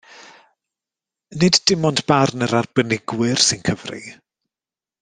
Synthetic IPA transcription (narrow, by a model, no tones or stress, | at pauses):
nɪdd̥ɪmɔndb̥arnəɾarb̥ənɪɡwɪrsɪnkʰəvrḭ